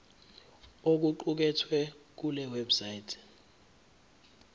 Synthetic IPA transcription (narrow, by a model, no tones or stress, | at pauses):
ok̬uǃuk̬ɛtʰwɛk̬ulɛwɛbsajtʰɛ̥